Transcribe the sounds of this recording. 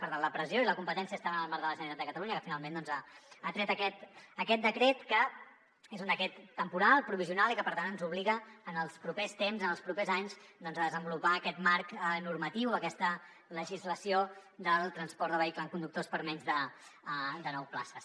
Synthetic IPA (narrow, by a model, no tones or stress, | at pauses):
pəɾt̪anləpɾəzijoiləkumpət̪ɛnsiəst̪aβənəlˠmaɾðələʒənit̪at̪d̪əkət̪əluɲəkəfinalˠmend̪ɔnzaːt̪ɾɛt̪əkɛt̪əkɛt̪̚d̪əkɾɛt̪kə | ezund̪əkɾɛt̪ːəmpuɾalˠpɾuβiziunalˠikəpəɾt̪anənzuβ̞liɣəːnəlˠspɾupest̪emzənəlˠspɾupezaɲzd̪ɔnzəðəzəmbulupaəkɛt̪maɾkənuɾmət̪iwəkɛst̪ə | ləʒizləsiod̪əlˠt̪ɾənspɔɾt̪d̪əβəikləəŋkund̪uk̚t̪ospəɾmɛɲzðə | d̪ənɔwpla̰səs